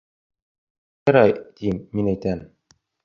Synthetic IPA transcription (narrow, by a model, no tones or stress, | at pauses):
jɑ̆ɾɑjt̪imːinæjt̪æn